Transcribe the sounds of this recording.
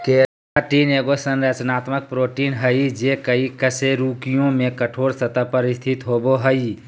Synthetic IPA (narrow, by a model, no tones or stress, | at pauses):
ke | ʈiːneːɡosənɾət͡ʃnaːt̪mək̚pɾoːʈiːnɦəid͡ʒeːkəikəseɾuːkijõmẽkəʈʰoːɾsət̪əpəɾɪst̪ʰɪt̪ɦoːboɦəi